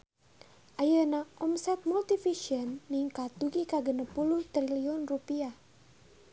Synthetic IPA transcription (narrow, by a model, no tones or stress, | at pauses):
ʔajənaʔɔmsɛt̪̚mult̪ifiʃiənːiŋkat̪̚uɡikaɡənəpuluht̪ɾiliɔnrupia